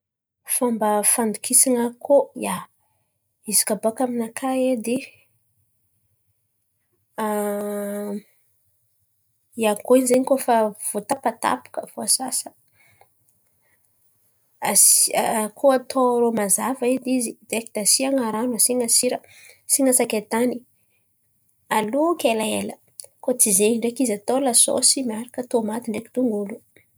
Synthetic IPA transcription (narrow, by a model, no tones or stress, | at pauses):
fambəfand̪ukʰisaŋakʰoja | izi̥kaboakaminakʰaed̪i | a | jakoinzeɲikofav̥ot̪apat̪a̰pu̥kəfoasasə̥ | asakʰoat̪ʰoɾomazavaid̪izid̪ekid̪̥asiaŋaɾanasiŋasiɾə | siŋəsakʲet̪ani | alukʲelaelə | kot͡sizeɲiɳɖ͡ʐekizat̪olaso̰simiaɾakət̪omat̪iɳɖ͡ʐeki̥d̪uŋɡulu̥